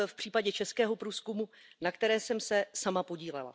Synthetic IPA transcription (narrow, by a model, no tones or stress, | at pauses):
fpr̝̥iːpaɟɛt͡ʃɛskɛːɦo̞pɾuːskumunakt̪ɛɾɛːsɛmsɛsamapo̞ɟiːlɛ̰la̰